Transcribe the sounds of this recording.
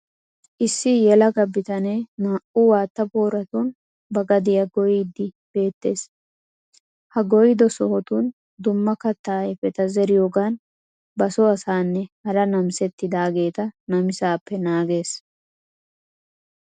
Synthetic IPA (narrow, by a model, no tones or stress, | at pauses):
ʔɪsːɪjɛlɐɡɐbɪt̪ɐneːnaːʔuwaːt̪ːɐboːɾɐt̪uːn | bɐɡɐd̪ɪjɐɡɔjiːd̪ɪ | b̥e̞ːt̪ːe̞ːs | hɐɡɔjɪd̪ɔsɔhɔt̪uːn | d̪ʊmːɐkɐt̪ːaːɛfɛt̪ɐzɛɾɪjoːɡaːn | bɐsɔɐsaːnːɛhɐɾɐnɐmsɛt̪ːɪd̪aːɡe̞ːt̪ɐnɐmɪsaːpːɛnaːɡe̞ːs